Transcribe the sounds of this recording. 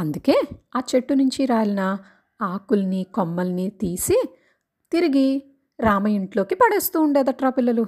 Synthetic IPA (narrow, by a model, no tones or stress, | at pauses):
ɐnd̪uke̞ːaːt͡ʃe̞ʈːunuɲt͡ʃiɾaːliɐnɐ | aːkulɐnikomːɐlɐnit̪iːsi | t̪iɾiɡi | ɾaːmɐiɳʈlo̞ːkipɐɽeːst̪uːɳɖeːd̪ɐʈɾaːpilːɐlu